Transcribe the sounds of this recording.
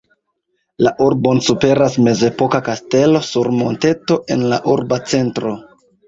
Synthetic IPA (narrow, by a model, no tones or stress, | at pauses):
laʔuɾbo̞nsupe̞ɾasme̞ze̞po̞kakaste̞lo̞suɾmo̞̰nte̞to̞ʔe̞̰nla̰ʔuɾbat͡se̞ntɾo̞